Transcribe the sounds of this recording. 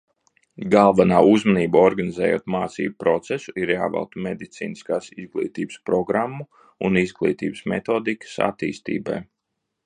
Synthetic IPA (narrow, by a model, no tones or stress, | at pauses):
ɡalˠvanaːʔuzmaniːbaɔɾɡanizɛːjo̰ːt̪maːt̪sḭːbupɾɔt̪sɛsuiɾja̰ːvɛ̰lˠt̪umed̪it̪sḭːniskaːsizɡlˠḭːt̪iːbə̥spɾɔɡɾamːu | ṵnizɡlˠḭːt̪ḭːbəsmɛt̪oːd̪ikə̥sa̰t̪ḭːst̪ḭːba̰j